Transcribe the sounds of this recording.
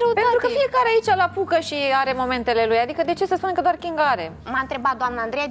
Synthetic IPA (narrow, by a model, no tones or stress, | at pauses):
ɾepenɾukəfije̞kaɾeait͡ʃalapukəʃiaɾe̞mo̞me̞nt̪e̞le̞lujad̪ikəd̪e̞t͡ʃesəspunekəd̪oarkʲiŋɡaɾe̞̰maɨnt̪ɾe̞bat̪̚d̪oamnəand̪ɾeja